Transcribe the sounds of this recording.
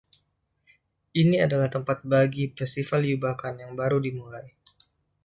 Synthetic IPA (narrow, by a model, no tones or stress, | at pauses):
ʔiniadalaht̪əmpat̪̚baɡifɛst̪ifaljubakanjaŋbaɾudimulaj